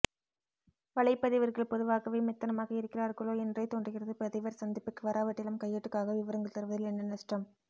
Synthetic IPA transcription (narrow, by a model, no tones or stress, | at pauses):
ʋɐɭɐɪpːɐðɪʋɐɾɣɐɭpɔðɯʋaːkɐʋɐɪmɛt̪ːɐnɐmaːɣɐɪɾɯkːɪraːɾkɐɭoːɛndrɐɪt̪ːɔɳɖrɯɣɪrɐðɯpɐðɪʋɐɾsɐnd̪ɪpːɯkːɯʋɐɾaːʋɐʈːɪlɐmkɐjːɐʈːɯkːaːɣɐʋɪʋɐɾɐŋɡɐɭt̪ɐɾɯʋɐðɐlɛnːɐnɐsʈrɐm